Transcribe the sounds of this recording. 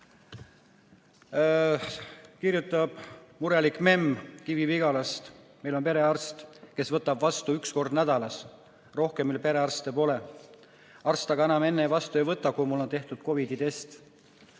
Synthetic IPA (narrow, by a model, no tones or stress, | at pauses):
kirjut̪ːˑɑb̥muɾelikˑme̞mkivipiɡɑlɑst̪ | melo̞npe̞ɾe̞ɑrst̪ke̞svɤt̪ːˑɑbvɑst̪uyksko̞rd̪næd̪ɑlɑs | ro̞hkemːilpe̞ɾe̞ɑrst̪epo̞ːle | ɑrst̪ɑɡɑenɑme̞nːejvɑst̪uejvɤt̪ːˑɑkujmulːo̞nt̪e̞ht̪ud̪̥ko̞vid̪it̪e̞st̪